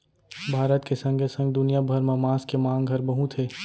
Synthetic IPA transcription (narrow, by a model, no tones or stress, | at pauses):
bʱaːɾət̪kesɐ̃ŋɡesɐ̃ŋɡ̚d̪ʊnijabʱɐɾmemaːskemãːŋɡɡʱɐɾbɐɦũt̪ʰeː